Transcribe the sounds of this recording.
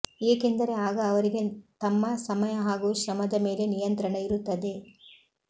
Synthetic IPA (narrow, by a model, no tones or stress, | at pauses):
eːkend̪ɐɾe̞aːɡɐːʋɐɾiɡe̞t̪ɐmːɐsɐmɐjɐɦaːɡuːʃɾɐmɐd̪ɐme̞ːle̞nijɐnt̪ɾɐɳɐiɾut̪ːɐd̪e̞